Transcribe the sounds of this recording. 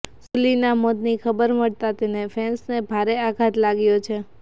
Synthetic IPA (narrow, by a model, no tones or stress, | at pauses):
sulinamod̪nikʰəbəɾməɭt̪at̪enefʰɛnsnebʱaɾeaɡʱat̪laɡjot͡ʃʰe